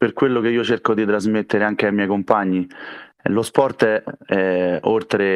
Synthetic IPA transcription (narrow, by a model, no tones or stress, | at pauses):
perkwelːok̟eiːot͡ʃerkod̪it̪ɾazmet̪ːeɾeaŋk̟eajmjɛjkompaɲːi | lospɔrt̪ɛɛolt̪ɾe